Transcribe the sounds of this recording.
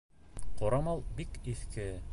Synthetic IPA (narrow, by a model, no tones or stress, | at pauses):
qoɾɑmɑlˠbikiθkɘ